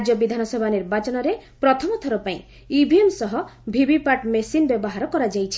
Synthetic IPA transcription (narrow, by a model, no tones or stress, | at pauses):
d͡ʒjɔbid̪ʱanɔsɔbʱaniɾbat͡ʃɔnɔɾepɾɔt̪ʰɔmɔt̪ʰɔɾɔpaĩ | ibʱiemsɔɦɔbʱibipaʈmesinbjɔbɔɦaɾɔkɔɾad͡ʒajt͡ʃʰi̥